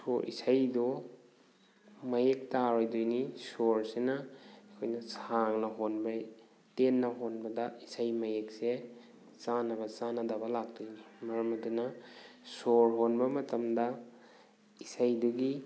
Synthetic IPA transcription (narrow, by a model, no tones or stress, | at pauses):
soɾʔḭsajdo | mɐjek̚taɾojdojnisoɾsenɐɐkʰojnɐsaŋnɐɦonbɐ | tenːɐɦonbɐdɐisajmɐjek̚se | t͡ʃanɐbɐt͡ʃanɐdɐbɐlak̚dojnimɐɾɐmɐdunɐ | soɾɦonbɐmɐtɐmdɐ | isajduɡi